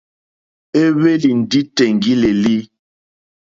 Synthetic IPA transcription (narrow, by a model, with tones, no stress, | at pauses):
e˦βe˦li˨n̩˨di˦te˨ŋ˨ɡi˦le˨li˦